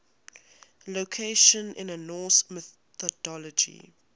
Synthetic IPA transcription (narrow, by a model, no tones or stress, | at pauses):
lokʰeɪʃə̃nɪ̰̃nənɔːsmɛ | ɔdɔlɔd͡ʒḭ